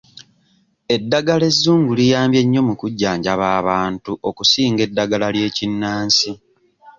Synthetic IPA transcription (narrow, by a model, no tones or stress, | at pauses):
e̞dːaɡale̞zːuːŋɡulijaːmbje̞ɲːo̞mukuɟːaːɲɟaβaːβaːntuʔo̞kusiːŋɡe̞dːaɡalalje̞ːcinːaːnsi